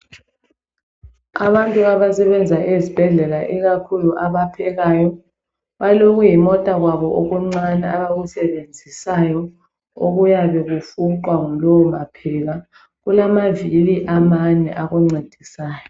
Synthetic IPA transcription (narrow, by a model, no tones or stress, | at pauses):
aβantʼuaβasɛβɛnd͡zʱaʔezib̥ʱɛɮɛlaʔiɣakʰuluʔaβapʰɛɣaːjɔ | βaloɣujimɔtʼaɣwaβɔʔoɣuŋ͡ǀanɛaβaɣusɛβend͡zʱisajɔ | o̰ɣujaβɛɣufuǃwaŋuloumapʰɛɣa | ɣulamaviliʔamanɛ̰ʔaɣuŋ͡ǀed̥ʱisaːjɔ